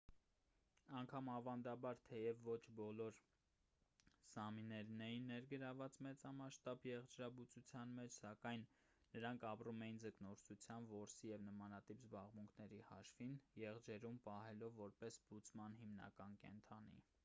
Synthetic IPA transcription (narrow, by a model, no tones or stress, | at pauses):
ɑŋkʰɑmɑvɑnd̪ɑbɑɾt̪ʰɛjɛvːɔt͡ʃʰbɔlɔɾ | sɑminɛɾnɛjinːɛɾɡəɾɑvɑt͡smɛt͡sɑmɑʃt̪ɑbjɛʁd͡ʒɾɑbut͡sut͡sʰjɑnmɛt͡ʃʰsɑkɑjnː | əɾɑŋkʰɑprumɛjind͡zəknɔɾsʰut͡sʰjɑmvɔɾsijɛvnəmɑnɑt̪ipzbɑʁmuŋkʰnɛɾihɑʃfinjɛʁd͡ʒɛɾumpɑhɛlɔvːɔɾpɛsb̥ut͡smɑnɦimnɑ̰kɑnkɛ̰nt̪ʰɑnḭ